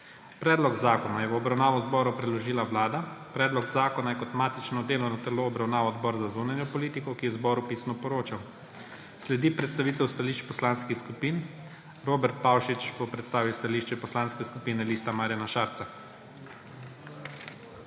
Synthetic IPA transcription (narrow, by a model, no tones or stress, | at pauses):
pɾɛːd̪lɔɡzaːkɔnajɛʋɔbɾawnaːʋɔzbɔːɾupɾɛlɔʒiːlaʋlaːd̪apɾɛːd̪lɔɡzaːkɔnajɛkɔt̪maːt̪it͡ʃnɔd̪eːlɔnat̪ɛloːbɾawnaːʋɔːd̪bɔɾzazunanjɔpɔliːt̪ikɔkijɛzbɔːɾupisnɔpɔɾoːt͡ʃaw | slɛd̪iːpɾɛt̪st̪aʋiːt̪ɛwst̪aliʃt͡ʃpɔslanskixskupiːn | ɾoːbɛɾt̪̚pawʃit͡ʃbɔpɾɛt̪st̪aːʋiwst̪aliːʃt͡ʃɛpɔslaːnskɛskupiːnɛliːst̪amaːɾjanaʃaːɾt̪sa